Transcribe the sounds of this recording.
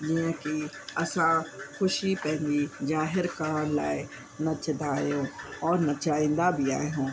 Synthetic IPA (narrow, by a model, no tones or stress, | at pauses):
d͡ʒiãkiɐsãxʊʃipɛ̃ɦɪ̃nɡid͡ʒaːɦɪɾkaːɽla̰ːe | nɐt͡ʃd̪aːeɦõːɔːɾnɐt͡ʃaːɪ̃nd̪abʱia̰ːeɦõː